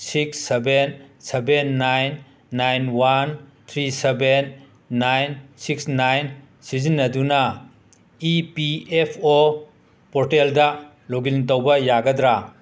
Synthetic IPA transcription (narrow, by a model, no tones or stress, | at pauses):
siksːebensebenːajnː | ajnwantʰɾisebenː | ajnsiksnajn | sizinːɐdunɐ | ipiepʰo | pɔɾteldɐ | loɡilt̬owbɐjaɡɐdɾa